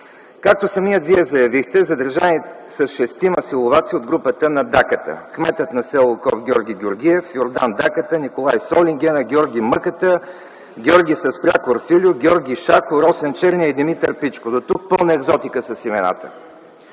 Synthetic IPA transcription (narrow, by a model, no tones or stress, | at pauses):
kak̚t̪osɐmiət̪viɛzɐjɐvixt̪ɛzɐd̪əɾʒanisəsʃɛst̪imɐsilˠovat̪siod̪̚ɡɾupət̪ənɐd̪akət̪ə̰kmɛt̪ət̪nɐsɛlˠʊkɔfɡʲɔɾɡʲiɡʲoɾɡʲiɛfjoɾd̪a̰nd̪akət̪ənikolˠajsɔlʲiŋɡʲɛnəɡʲɔɾɡʲiməkət̪ə | ɡʲɔɾɡʲisɐspɾʲa̰koɾfilʲʊɡʲɔɾɡʲiʃakʊɾɔsɛnt͡ʃɛɾniəid̪imit̪əɾpit͡ʃkod̪ot̪uk̚pɤlˠnəɛɡzɔt̪ikəsəsimɛna̰t̪ə